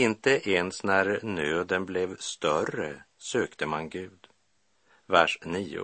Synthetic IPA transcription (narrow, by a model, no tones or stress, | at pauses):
ɪnt̪əʔeːnsnæɾnøːd̪ənblɛvst̪œrə | søːkt̪əmanɡʉ̟ːd̪ | væʂniːʊ̰